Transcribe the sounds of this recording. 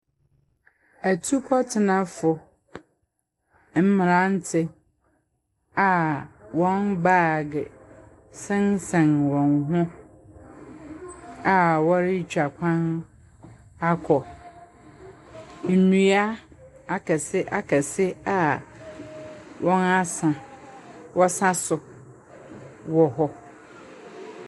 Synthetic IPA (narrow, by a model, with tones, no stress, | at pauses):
æ˨tʰu˦kʰɔ˦tʰɪ˨nã˦fʊ˨ | m̩˦mɪ̃˨ɾã˦n̩˦tʰɪ˦ | a˨wɔ̃˦nbaː˦˨ɡɪ˨ | sɪ̃˦nsɛ̃˨nwɔ̃˨nɦʊ̃˦ | a˨wɔ˦ɾɪ˦t͡ɕᶣa˨kʷʰã˦n | a˦kʰɔ˨ | n̩˨nũ˨a˦ | a˦kʰɛ˨sɪ˦ʔa˦kʰɛ˨sɪ˦a˨ | wʔɔ̃˦na˦sã˨ | wʔɔ˦sã˦sʊ˨ | wɔ˨ɦɔ˦